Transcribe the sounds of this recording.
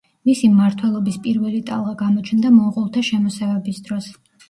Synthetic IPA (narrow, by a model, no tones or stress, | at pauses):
misimːaɾt̪ʰwɛlˠɔbispʼiɾvɛlit̪ʼa̰lˠʁaɡamɔt͡ʃʰnd̪amɔːqʼɔlˠt̪ʰaʃɛmɔsɛvɛbisd̪ɾɔs